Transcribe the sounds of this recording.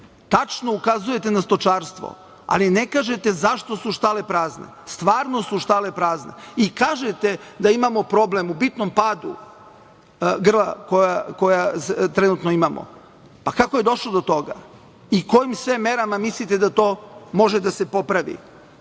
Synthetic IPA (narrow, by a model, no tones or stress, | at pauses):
t̪at͡ʃno̞ukazuje̞t̪e̞nast̪o̞t͡ʃaːɾst̪ʋo̰ | a̰line̞kaːʒet̪e̞zaʃt̪o̞suʃt̪ale̞pɾaːznḛst̪ʋaːɾno̞suʃt̪ale̞pɾaːznḛikaːʒet̪e̞d̪aimamo̞pɾo̞blemubit̪nompaːd̪ṵ | ɡr̩la̰ko̞jako̞jast̪ɾenut̪noimamo̰ | pakako̞je̞d̪o̞ʃlod̪o̞t̪o̞ɡa̰ | iko̞jimsʋemːeɾamamislit̪e̞d̪at̪o̞ːmo̞ʒed̪ase̞po̞pɾaʋḭ